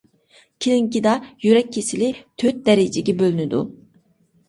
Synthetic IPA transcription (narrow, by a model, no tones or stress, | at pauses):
cʰiliŋcid̪ajyɾɛc̚ʰːesilʲit̪ʰøt̪̚d̪ɛɾed͡ʒeɟʲibølʲnyd̪ṵ